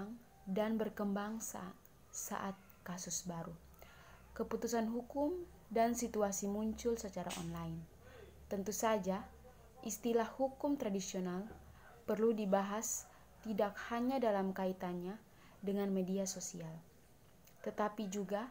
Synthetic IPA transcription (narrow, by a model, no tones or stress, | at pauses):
ŋ | danbərkəmbaŋs | sa̰ʔat̪̚kasusbaɾu | kəput̪usanɦukʊm | dansit̪uasimuɲt͡ʃʊlsət͡ʃaɾa̰ʔɔ̰nlaɪn | t̪ənt̪usad͡ʒa | ʔist̪ilahhukʊmt̪ɾadisional | pərludibaɦas | t̪idak̚haɲadalamkait̪anɲa | dəŋanmediasosial | t̪ət̪apid͡ʒuɡa